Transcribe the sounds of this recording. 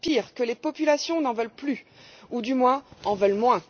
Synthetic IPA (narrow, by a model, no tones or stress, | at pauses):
piʁkəlepɔpylasjɔ̃nɑ̃vœlply | ud̪ymwɛ̃ɑ̃vœlmwɛ̃